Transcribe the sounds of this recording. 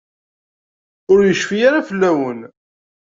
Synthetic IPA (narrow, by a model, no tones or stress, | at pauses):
ʊɾjəʃfijaɾafəlːæwən